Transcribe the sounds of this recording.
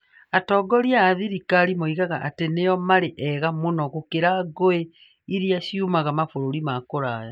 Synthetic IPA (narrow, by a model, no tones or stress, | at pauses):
atɔːɡɔɾjaːðiɾikaɾimoiɣaɣaʔatenejɔmaɾeʔɛɣamonɔɣokeɾaɡoe | iɾiaʃiumaɣamafoɾoɾimakoɾaːja